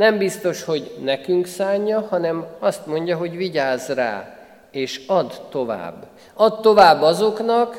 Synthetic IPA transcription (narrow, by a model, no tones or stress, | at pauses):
nɛmbist̪o̞ʃho̞ɟnɛkyŋksaːɲːɒhɒnɛmɒst̪mo̞ɲɟɒɦo̞ɟʋiɟaːzra̰ː | eːʃɒd̪ːo̞va̰ːbː | ɒt̪t̪ːo̞vaːbːɒzo̞knɒk